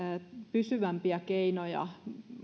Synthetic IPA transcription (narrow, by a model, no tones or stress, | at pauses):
pysyʋæmpiækeinojɑ̰